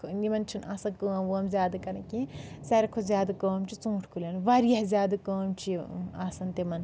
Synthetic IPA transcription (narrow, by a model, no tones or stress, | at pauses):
kʰnimɐnt͡ʃʰinʔɐsɐkəːmʋoːmzʲaːd̪ɐkɐɾɐ̃kisʲɐɾɐkʰozʲjaːd̪ɐkəːmt͡ʃʰit͡sũːʈʰkʰulʲɐnʋɐɾjɐhzʲaːd̪ɐkəːmt͡ʃʰiɐsɐnt̪imɐn